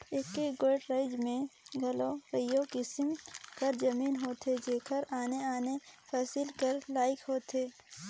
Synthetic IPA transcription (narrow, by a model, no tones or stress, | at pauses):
ɪkːeɡoːɪʈɾaɪd͡ʒmẽɡʱɐlopɐjokɪsmkɐɾd͡ʒɐmiːnɦoːt̪ed͡ʒeːkʰəɾaːneaːnepʰɛːsɪlkəɾlaːɪkɦoːt̪eː